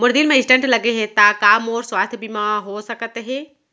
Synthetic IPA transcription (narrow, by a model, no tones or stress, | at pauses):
mʊɾd̪ilmẽɪ̃sʈə̃ɳʈlɐɡeɦẽt̪aːkaːmɔːɾswaːst̪ʰjbʱimaɦosɐkət̪ɦɛː